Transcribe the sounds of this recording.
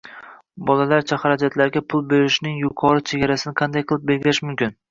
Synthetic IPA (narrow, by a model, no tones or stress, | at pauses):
bɒlalaɾt͡ʃʰaχaɾad͡ʒat̪ʰlaɾɡʲapʰʊlˠbe̞ɾɪʃnɪŋjʊqʰɒɾɪt͡ʃʰeɡʲaɾasɪnɪqʰɑnd̪ajqʰɨlˠɪp̚be̞lˠɡʲɪɾɪʃmʊmkʲɪn